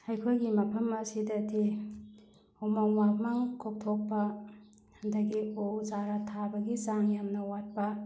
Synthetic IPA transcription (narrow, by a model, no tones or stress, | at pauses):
hajkʰojɡimɐpʰɐmɐsidɐtʰi | omawmamaŋkʰok̚tʰok̚pɐ | ndɐɡiowzaɾatʰabɐɡizaŋjamnɐwat̚pɐ